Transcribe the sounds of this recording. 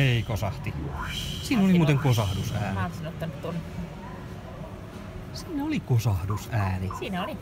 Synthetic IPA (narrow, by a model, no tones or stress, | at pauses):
eikosɑht̪isiːnolimuːt̪eŋkosɑhdusæːnɑˑnsɑnoet̪ːɑnyt̪t̪on | siːnæolikosɑhdusæːnisiːnæoli